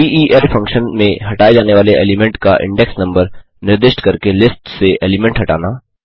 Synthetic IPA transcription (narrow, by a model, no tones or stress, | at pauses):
iːʔiːʔeːɾpʰɐ̃ŋkʃənmẽɦɐʈaːed͡ʒaːneʋaːleʔɛ̰ːlimɛ̃ɳʈkaʔɪ̰̃ɳɖɛksnɐ̃mbəɾ | nɪɾd̪ɪːʃʈkɐɾkelɪsʈseʔeːlɪmɛ̃ɳʈɦɐʈa̰ːnaː